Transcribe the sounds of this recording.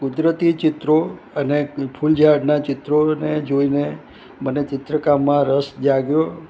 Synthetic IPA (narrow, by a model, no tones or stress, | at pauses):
kʊd̪ɾət̪it͡ʃɪt̪ɾo | ənepʰuld͡ʒʱaɖnat͡ʃɪt̪ɾoned͡ʒoine | mənet͡ʃɪt̪ɾəkamːãɾəsd͡ʒaɡjo